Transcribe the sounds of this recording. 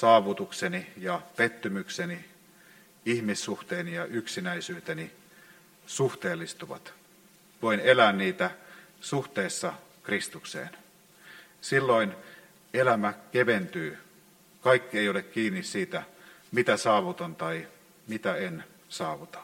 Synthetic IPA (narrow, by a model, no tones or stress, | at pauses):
sɑːʋut̪uksenijɑpet̪ːymykseni | ihmisːuht̪eːnijɑʔyksinæisyːt̪eni | suht̪eːlːist̪uʋɑ̰t̪ | ʋoinelæːnniːt̪æ | suht̪eːsːɑ | krist̪uksḛːn | silːoin | elæmækeʋent̪yː | kɑikːieiolekkiːnːissiːt̪æmit̪æsɑːʋut̪ont̪ɑi | mit̪æen | sɑːʋut̪ɑ̥